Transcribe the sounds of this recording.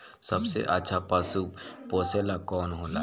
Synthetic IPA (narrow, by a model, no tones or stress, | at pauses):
sɐbsḛʔətːʃʰapaːsupoːseːlakɔːnɦoːna̰ː